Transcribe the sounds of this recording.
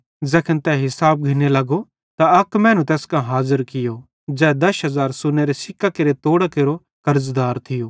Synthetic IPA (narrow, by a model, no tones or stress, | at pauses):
zɛːkʰənt̪ɛɦɪsaːb̚ɡʱɪnelɐɡo | t̪aɐkmɛ̃ːnũt̪ɛːskãɦaːzəɾkɪjo | d͡ʒɛːd̪ɐʃɦɐzaːɾsʊneɾesɪkːakeɾet̪oːɽakeɾo | kɐɾzd̪aːɾt̪ʰɪjoː